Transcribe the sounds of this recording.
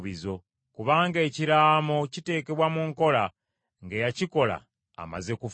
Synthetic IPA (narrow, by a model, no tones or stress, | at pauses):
βizo̞ | kuβaːŋɡe̞ːciɾaːmo̞cite̞ːkeβwamuŋko̞la | ŋɡejaciko̞la̰ː | ma̰ze̞kuf